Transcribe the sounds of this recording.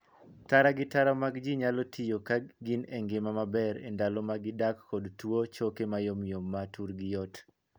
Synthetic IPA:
taɾaɡɪtaɾɔmaɡd͡ʒiɲalɔtʰijokaɡineŋɡemamabɛɾḛndalɔmaɡɪdakːɔdtwot͡ʃokemajomijomːatuɾɡɪjɔt

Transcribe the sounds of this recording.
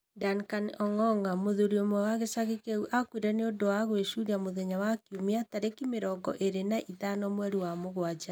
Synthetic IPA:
dankanɔŋɔŋamoðoɾiomwɛwaɣesaɣekeuʔakwiɾɛneodowaɣweʃuɾiamoðɛɲawakiomiataɾekimeɾɔɡɔ̰ʔeɾenaʔitanɔmwɛɾiwamoɣwad͡ʒa

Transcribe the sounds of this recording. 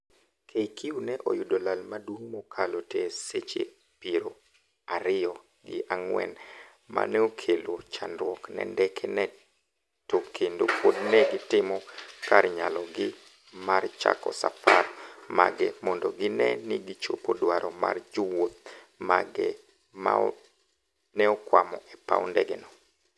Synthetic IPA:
kʰejkʰiunɛʔo̰jʊdolalmadwuŋmokʰaloteset͡ʃḛ | piɾo | aɾɪɔ | ɡɪ̰ʔaŋwɛ̰n | ma̰nɛokʰelot͡ʃanɾwɔknɛ̰ndɛkʰɛnɛ | tokʰendopodnɛɡɪtɪmɔkarɲalɔɡɪ | mart͡ʃa̰kɔ̰safarma̰ɡɛmɔndɔɡɪnɛnɪɡɪt͡ʃopodwaɾʔɔma̰rd͡ʒowot̪̚ | maɡɛ | ma | nɛɔkwamɔʔɛpa̰wndɛɡɛnɔ

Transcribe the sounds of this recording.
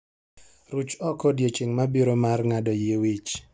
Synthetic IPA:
ɾut͡ʃɔkɔdjet͡ʃeŋmabiɾomarŋadɔjewit͡ʃ

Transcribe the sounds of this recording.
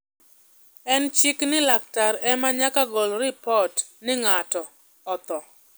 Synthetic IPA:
ɛnt͡ʃiknɪlak̚taɾɛmaɲakaɡɔlɾɪpɔtnɪŋatɔ | ɔt̪ɔ

